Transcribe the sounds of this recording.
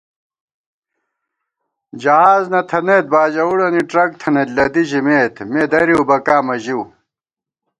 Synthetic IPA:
d͡ʑɐɦaːznɐt̪ʰɐneːt̪̚baːd͡ʑɐuɽɐniʈɾɐk̚t̪ʰɐnet̪lɐd̪iʑimeːt̪med̪ɐɾiubɐkaːmɐʑiw

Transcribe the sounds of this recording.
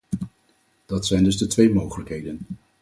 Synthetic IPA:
d̥ɑtsɛjndɵzdətʋejmowχələkɦejdən

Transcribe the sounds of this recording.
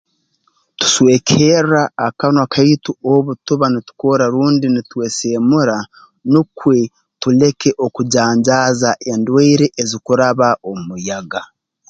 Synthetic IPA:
tu̥sweːkʰeraːkanwakʰaituoβutuβanitu̥ko̞ɾaɾuːndinitwe̞se̞ːmuɾa | nukwe̞ | tule̞ke̞ʔo̞kuɟaːɲɟaːzaʔe̞ndweiɾeʔezikuɾaβaʔo̞mmujaɡa

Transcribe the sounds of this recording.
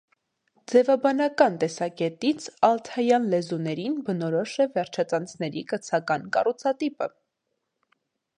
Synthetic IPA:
d͡zɛvɑbɑnɑkɑnt̪ɛsɑkɛt̪it͡sʰɑlt̪ʰɑjɑnlɛzunɛɾinbənɔɾɔʃɛvɛɾt͡ʃʰɑt͡sɑnt͡sʰnɛɾikət͡sʰɑkɑnkɑ̰rut͡sʰɑt̪ipə

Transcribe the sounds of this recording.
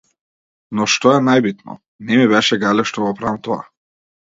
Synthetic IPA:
nɔʃt̪ɔɛnajbit̪nɔ̰ | nɛmiβɛʃɛɡalɛʃt̪ɔɡɔpɾaimt̪ɔa̰

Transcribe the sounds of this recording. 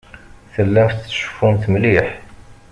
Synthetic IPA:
θəlːæmfʃə̥fːunt̪mliħ

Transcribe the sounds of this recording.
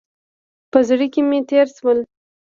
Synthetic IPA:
pəzɽikemet̪eɾswəl

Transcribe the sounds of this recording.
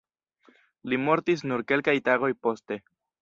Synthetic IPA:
limo̞ɾtis̬nuɾke̞lkajtaɡo̞jpo̞ste̞

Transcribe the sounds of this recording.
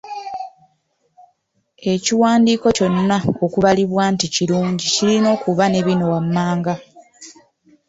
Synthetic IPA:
e̞ciwaːndiːko̞co̞nːao̞kuβaliβwaːnticiluːɲɟicilino̞ːkuβane̞βino̞wamːaːŋɡa

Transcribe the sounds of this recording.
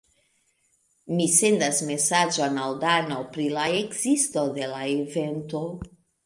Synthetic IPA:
mise̞ndasme̞sad͡ʒonaldanopɾilaekzisto̞de̞laeve̞nto̞

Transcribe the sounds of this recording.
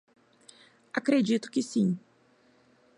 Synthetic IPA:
akɾed͡ʒit̪ʊ̥kɪsĩ

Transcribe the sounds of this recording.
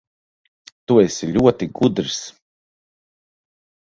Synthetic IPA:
t̪uesiʎʲuɔt̪iɡud̪ɾis

